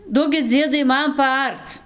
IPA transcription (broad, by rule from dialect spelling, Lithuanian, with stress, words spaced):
ˈduɔkʲɪt ˈd͡zʲiɛdɐɪ ˈmɐn pɐˈɐrt͡s